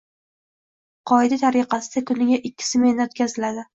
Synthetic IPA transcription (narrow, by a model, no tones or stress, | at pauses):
qʰɒɪd̪at̪ʰaɾiqɑsɪd̪̥akʰʊnɪɡʲaʔɪkʲʰːɪ̥sɪmehnaot̪̚kʲazɪlad̪ɪ